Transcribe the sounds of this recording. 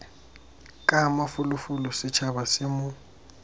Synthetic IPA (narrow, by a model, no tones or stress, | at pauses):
kʼamafʊlʊfʊlʊsɪt͡ʃʰabasɪmʊ